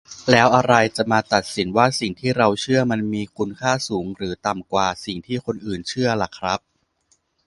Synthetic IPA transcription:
lɛː˦˥wʔa˧ɾa˧jt͡ɕa˨˩maː˧t̪a˨˩t̪̚si˩˦nwaː˥˩si˨˩ŋt̪ʰiː˥˩ɾa˧wt͡ɕʰɯ˥˩ɐma˧nmiː˧kʰu˧nkʰaː˥˩suː˩˦ŋɾɯː˩˦t̪a˨˩mkwaː˨˩si˨˩ŋt̪ʰiː˥˩kʰo˧nʔɯː˨˩nt͡ɕʰɯ˥˩ɐla˨˩kʰɾa˦˥p̚

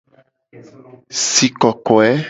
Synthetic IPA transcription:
si˨kɔ˨kɔ˨ɛ˦

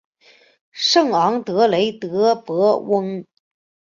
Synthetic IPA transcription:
ʂɤ˥˩ŋɑ˧˥ŋt̪ɤ˧˥le˧˥ɪt̪ɤ˧˥pɤ˧˥wə˥ŋ

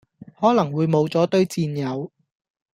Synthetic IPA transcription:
hɔː˨˥lɐ˨˩ŋwuː˨˧jmo˨˧wt͡sɔː˨˥t̪ɵ˥ɥt͡siː˧njɐ˨˧w

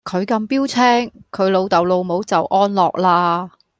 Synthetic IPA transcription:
kʰɵ˨˧ɥkɐ˧mpiː˥wt͡sʰɛː˥ŋkʰɵ˨˧ɥlo˨˧wt̪ɐ˨wlo˨˧wmo˨˥wt͡sɐ˨wʔɔː˥nlɔː˨k̚laː˧

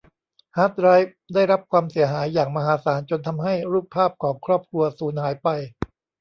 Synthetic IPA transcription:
haː˦˥t̪̚ɾa˦˥jf̚ | daː˥˩jɾa˦˥p̚kʰwaː˧msi˨˩˦ɐɦaː˩˦jːaː˨˩ŋma˧ɦaː˨˦saː˩˦nt͡ɕo˧nt̪ʰa˧mɦa˥˩jɾuː˥˩pʰːaː˥˩p̚kʰɔː˩˦ŋkʰɾɔː˥˩p̚kʰɾu˧ɐsuː˩˦nhaː˩˦jpa˧j

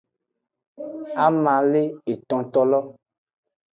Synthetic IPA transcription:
a˦mã˨˦le˦e˨tɔ̃˨tɔ˦lɔ˦

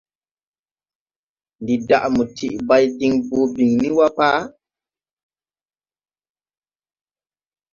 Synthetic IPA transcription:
ndi˨da̰˨ʔmu˨tʰi˨ʔba˦jdi˦ŋbuː˨˦bi˨ŋni˦wa˦paː˦

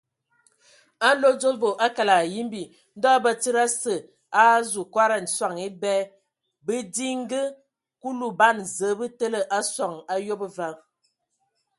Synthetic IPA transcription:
a˦n˦lo˦d͡zo˦lvo˨ʔa˦ka˨la˨ji˦mbi˨ | n̩˦dɔ˦bə˦˨t͡si˦ɾa˦sə˨ | a˦zu˨kwa˦ɾa˨n̩˨swa˨ŋi˦bɛ˦ | bə˦di˦ŋ˦ɡə˦ | ku˦lu˨ba˦n˨zə˨˦bɨ˦tə˦lə˦ʔa˦swa˨ŋa˦jo˦bə˦va˦

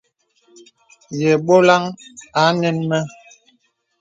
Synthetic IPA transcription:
jɛ˨ɓo˦la˦ŋa˨˦nɛ˦nmɛ˦

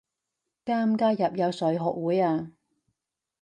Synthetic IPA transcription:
kaː˥mkaː˥jɐ˨p̚jɐ˨˧wsɵ˨˥ɥɦɔː˨k̚wuː˨˥jaː˧

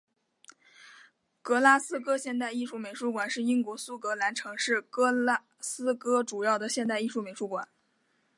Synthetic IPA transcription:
kɤ˧˥la˥sɹ̩˥kɤ˥ɕjɛ˥˧nt̪a˥˧ɪi˥˧ʂu˥˩me˨˩ɪʂu˧˥kwa˨˩nʂɻ̩˥˩i˥ŋkwɔ˧˥su˥kɤ˧˥la˧˥nʈ͡ʂʰɤ˧˥ŋʂɻ̩˥˩kɤ˥la˥ | sɹ̩˥kɤ˥ʈ͡ʂu˨˩jɑ˥˩ʊd̪ə˩ɕjɛ˥˧nt̪a˥˧ɪi˥˧ʂu˥˩me˨˩ɪʂu˧˥kwa˨˩˦n

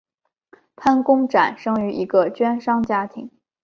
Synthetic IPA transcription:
pʰa˥nkʊ˥ŋʈ͡ʂa˨˩˦nʂɤ˥ŋy˧˥ʔi˧˥ɡə˧t͡ɕɥɛ˥nʂɑ˥ŋt͡ɕja˥t̪ʰi˧˥ŋ

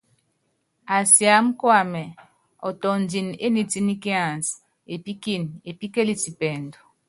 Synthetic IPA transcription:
a˨sja˨˦m̩˦kwa˦˨mɛ˨ | ɔ˨tɔ˨n˨di˨ne˦ni˨ti˦ni˦ki˦a˨ns | e˨pi˦ki˦˨ne˨pi˦ke˦li˨ti˨pɛ˨ndu˨

